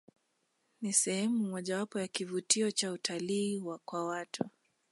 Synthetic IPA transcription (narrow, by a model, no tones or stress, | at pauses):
nisɛhɛmumɔʄawapɔjakivutiɔt͡ʃautʰaliːwakwawatʰu